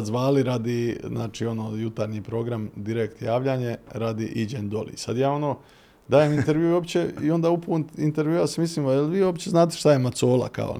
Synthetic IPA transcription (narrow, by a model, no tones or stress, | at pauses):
zʋaːliɾaːd̪iznaːt͡ʃiːo̞noːjut̪aɾɲiːpɾo̞ɡɾamd̪iɾekt̪jaːʋlʎaɲe̞ɾad̪iʔid͡ʑend̪o̞lḭsa̰d̪jaːo̞no̞ː | d̪aːjemint̪eɾʋjujo̞pt͡ɕe̞io̞nd̪aːupunt̪int̪e̞ɾʋjuasemisliːmojelʋiːjo̞pt͡ɕeznaːt̪̬eʃt̪ajemat̪soːla̰ka̰o̰